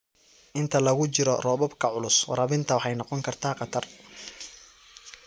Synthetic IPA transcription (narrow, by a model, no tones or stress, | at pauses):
ʔɪnt̪ʰɐlɐɣʊt͡ʃɪɾɔrɔːβɔbkʰɐʕʊlʊswɐ̰ɾɐβɪnt̪ʰɐwɑħɑjnɑqɔŋkʰɐrt̪ʰaːqɑt̪ʰɐr